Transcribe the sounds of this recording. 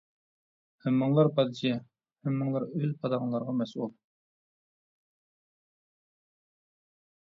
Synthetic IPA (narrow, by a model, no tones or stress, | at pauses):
hɛmːɨŋlˠɑɾpɑd̪d͡ʒɛ | hemːɨŋlˠɑɾølpʰɑd̪ɑʁɑŋlˠɑɾʁɑmɛsulˠ